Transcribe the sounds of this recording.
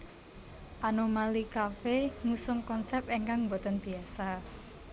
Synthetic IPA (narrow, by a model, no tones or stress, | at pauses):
ʔanomalikafeŋusʊŋkɔnsɛpeŋkaŋmbo̤t̪ənb̥i̤asa